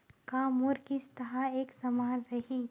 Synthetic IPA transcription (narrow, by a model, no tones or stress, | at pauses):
kaːmʊɾkist̪ɐɦaeːksɐmaːnɾɐɦiː